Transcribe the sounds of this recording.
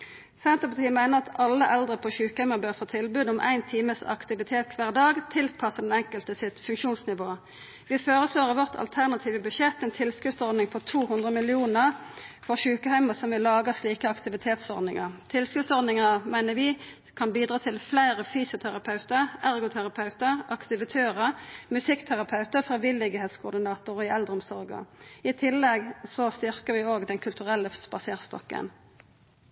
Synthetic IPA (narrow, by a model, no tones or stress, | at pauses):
sɛnt̪əpɑt̪ʰiːəmæɪnəʁɑt̪ʰɑlːəʔɛld̪ʁəpʰɔɕʉːkəhæɪməbøːʁfoːt̪ʰɪlbʉːd̪ɔmʔæ̰ɪnt̪ʰiːməsɑ̰kt̪ɪʋɪt̪ʰeːt̪̚kʰʋæːʁd̪ɑːɡt̪ʰɪlpʰɑsəd̪ɛnɛŋkəlt̪əsɪt̪fʉŋkʃuːnsnɪʋoː | ʋɪføːʁəsloːʁəʋɔʁt̪ʰɑ̰lt̪ʰæʁnɑt̪ʰiːʋəbʉʃɛt̪ːɛnt̪ʰɪlskʉsɔʁd̪nɪŋpʰɔt̪ʰuːhʉnd̪ʁəmɪlɪuːnəʁfɔʁçʉːkəhæʏməsɔmʋɪlːɑːɡəsliːkəɑkt̪ɪʋɪt̪ʰeːt̪sɔ̰ʁd̪nɪŋəʁt̪ʰɪlskʉsɔɾd̪nɪŋəmæɪnəʋɪː | kʰɑnbiːd̪ʁɑːt̪ʰɪlflæɪʁəfyːsɪʊt̪ʰæɾɑpʰɑʉt̪əʁæʁɡʊt̪ʰæʁɑpʰɑʉt̪əʁɑkt̪ɪʋɪt̪ʰøːʁəmʉsɪkt̪ʰæʁɑpʰɑʉt̪əfɑʋɪlɪɡəheːt̪skʰʊd̪ɪnɑːt̪ʊʁɪʔɛld̪ɾʁəɔmsɔʁɡə̰ɪt̪ʰɪlːɛɡsɔst̪ɪʁkəʋɪoːɡd̪ɛnkʰʉlt̪ʉʁɛlːəspɑseːʁt̪st̪ɔ̰kːə̰n